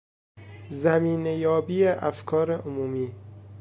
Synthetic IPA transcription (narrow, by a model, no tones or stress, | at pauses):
zæmiːnejɒːbiːeʔæfkʰɒːɾeʔomuːmiː